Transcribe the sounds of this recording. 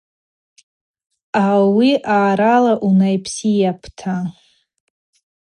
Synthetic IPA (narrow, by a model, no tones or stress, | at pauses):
awiʔaːɾalaʔunajpʰsijapʰtʰa